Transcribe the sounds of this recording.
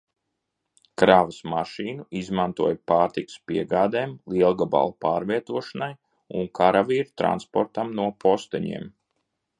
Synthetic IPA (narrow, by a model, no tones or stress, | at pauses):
kɾaːvəsmaʃiːnuizmant̪uɔjpaːɾt̪ikɨ̥spiɛɡaːd̪eːmlˠiɛlˠɡaba̰lˠpaːɾviɛt̪uɔʃanaj | ṵnkʰaɾaviːɾut̪ɾa̰nspɔɾt̪amnuɔpɔst̪ɛɲḭɛm